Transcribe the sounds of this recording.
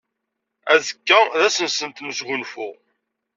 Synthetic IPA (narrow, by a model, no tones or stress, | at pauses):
æzəkːæðæsənsənt̪məsʝʊnfʊʁ